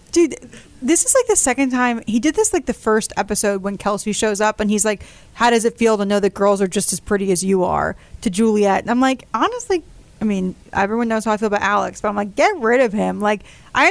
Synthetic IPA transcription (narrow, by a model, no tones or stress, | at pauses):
d̥ɨ | ðɪsɨz̥laɪk̚ðɨsɛkɨ̃ntʰãɪ̃midɨd̪̚ðɪslaɪk̚ðɨfɜ˞stʰɛpɨsoʊd̚wə̃nkʰɛlˠsiʃoʊzʌpɨ̃nizlaɪk | haʊɾʌzɨtfilˠtənoʊðɨt̚ɡ̥ɜ˞lˠzə˞d͡ʒʌstɨz̥pʰɹ̥ɪɾiɨzjɨə̰˞tʰɨd͡ʒʉlˠiɛtɨ̃nãɪ̃mlaɪkɑnəstˡli | aɪmĩn | ʔɛvɹiwʌ̃nːoʊz̥haʊaɪfilˠəbaʊɾʔælˠə̰ksb̥ɾãɪmaɪk̚ɡ̥ɛt̚ɹɪɾʌv̥ɪ̃mlaɪk | ʔaɪ